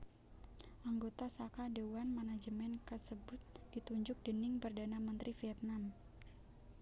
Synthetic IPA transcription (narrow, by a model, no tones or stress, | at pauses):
ʔaŋɡot̪asakadewanmanad͡ʒəmɛnkəsəbʊt̪̚d̥it̪uɲd͡ʒʊk̚dənɪŋpərdanamənt̪ɾʔifiɛt̪̚nam